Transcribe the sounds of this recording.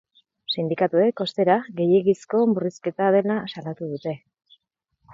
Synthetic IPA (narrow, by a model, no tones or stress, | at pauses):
sind̪ikat̪ue̞ko̞st̪e̞ɾaɣe̞jeɣisko̞muriske̞t̪aðe̞lasalat̪uðut̪e̞